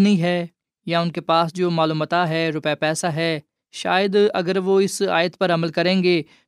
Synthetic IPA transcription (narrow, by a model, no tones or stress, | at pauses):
nĩɦɛː | jaʊnkepaːsd͡ʒoːmaːluːmət̪aɦɛːɾʊpjapɛːsaɦɛː | ʃaːjəd̪ɐ̰ɡəɾʋoːɪsa̰ːjət̪pɐɾɐməlkəɾẽːŋɡeː